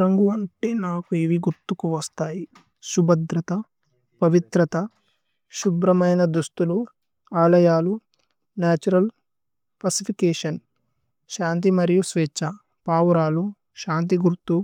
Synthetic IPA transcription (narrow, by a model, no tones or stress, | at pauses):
ɾɐŋɡuɐɳʈeːnaːkueʋiɡuɾt̪ukuʋɐst̪aːji | ʃubɐd̪ɾɐt̪ɐ | pɐʋit̪ɾɐt̪ɐ | ʃubɾɐmɐjnɐd̪ust̪ulu | aːlɐjaːlu | naːt͡ʃuɾɐl | pɐsipʰikeːʂɐn | ʃaːnt̪̬imɐɾjusʋeːt͡ʃːɐ | paːwuɾaːlu | ʃaːnt̪iɡuɾt̪ːu